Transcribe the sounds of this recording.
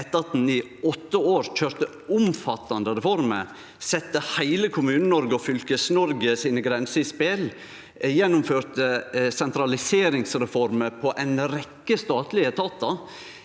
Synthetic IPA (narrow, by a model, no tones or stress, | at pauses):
ɛt̪ːəɑt̪̚d̪nɪ | ɔt̪ːəoːɾc͡çøːɾt̪ə | ʊmfɑt̪ːɑnd̪əɾɛfɔɾmə̰ɾ | sɛt̪ːəhæɪləkʰʊmʉːnənɔɾɡəɔfʏlkəsnɔɾɡəsiːnəɡɾɛnsəɪspel | jɛnːʊmføːɾt̪əsɛnt̪ɾɑlɪseːɾɪŋsɾɛfɔɾməpʰɔʔæɪnɾɛkːəst̪ɑːt̪lɪət̪ʰɑːt̪ɑ